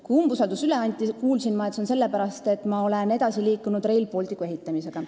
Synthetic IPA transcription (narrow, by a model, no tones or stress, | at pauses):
kujumbusɑld̪̥usyle̞ɑnʲt̪ʲːˑikuːlsinmɑet̪sonse̞lːepæɾɑst̪e̞t̪ːˑmɑo̞le̞ne̞d̪̥ɑsiliːkːˑunud̪re̞jlpo̞lʲt̪ikːˑue̞ɦit̪ˑːɑmise̞ɡ̥ɑ